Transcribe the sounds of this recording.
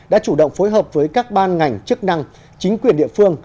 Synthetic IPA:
ɗa̰ː˧˥t͡ɕu˧˩ɗə̰˧˨wŋ͡mfo˨˦jɦəː˨˩p̚vəː˨˦jkaː˦˥k̚ɓaː˧nŋa˨˩jŋ̟t͡ɕɨ˦˥k̚na˧ŋ | t͡ɕï˨˦ŋ̟kwi˨˩ənɗḭ˧˨əfɨ˧əŋ

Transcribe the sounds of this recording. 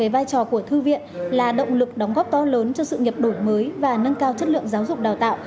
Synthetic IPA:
e˨˦vaː˧jt͡ɕɔ˨˩ku˧˩ət̪ʰɨ˧vḭ˧˨ənlaː˨˩ɗə̰˧˨wŋ͡mlɨ˨˩k̚ɗɔ˨˦wŋ͡mɣɔː˦˥p̚t̪ɔ˨˦ləː˨˦nt͡ɕɔ˧sɨ̰˧˨ɲə˨˩p̚ɗo˧˩jməː˨˦jvaː˨˩nə˧nkaː˧wt͡ɕə˦˥t̚lɨ̰˧˨əŋzaː˨˦wzʊ˨˩k͡p̚ɗaː˨˩wt̪a̰ː˧˨w

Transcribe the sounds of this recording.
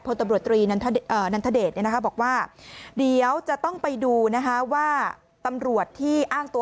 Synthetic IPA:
pʰo˧nt̪a˧mɾu˨˩ət̪ːɾiː˧na˧nt̪ʰa˦˥˩ʔːna˧˥nt̪ʰa˥˩deː˨˩t̪ni˥˩n˦˥kʰa˦˥bɔː˨˩k̚waː˥˩di˨˧˩ə˦wt͡ɕa˨˩ʔt̪ɔ˥˩ŋpa˧jduː˧na˦˥kʰa˦˥waː˥˩ | t̪a˧mɾu˨˩ət̪ʰːiː˥˩ʔaː˥˩ŋt̪u˧

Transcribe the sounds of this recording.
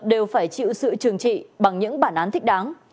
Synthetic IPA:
ɗe˨˩wfaː˧˩jt͡ɕḭ˧˨wsɨ̰˧˨t͡ɕɨ˨˩əŋt͡ɕḭ˧˨ɓa˨˩ŋɲɨ̰˧˥ŋɓaː˧˩nʔaː˨˦nt̪ʰï˦˥k̚ɗaː˨˦n

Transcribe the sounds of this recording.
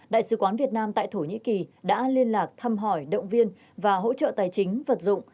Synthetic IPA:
ɗa̰ː˧˨jsɨ˨˦kwaː˨˦nvi˨˩ət̚naː˧mt̪a̰ː˧˨jt̪ʰo˧˩ɲḭ˧˥ki˨˩ɗa̰ː˧˥li˧ənlaː˨˩k̚t̪ʰa˧mɦɔ˧˩jɗə̰˧˨wŋ͡mvi˧ən | vaː˨˩ɦo̰˧˥t͡ɕə̰ː˧˨t̪aː˨˩jt͡ɕï˨˦ŋ̟və˨˩t̚zʊ̰˧˨ŋ͡m

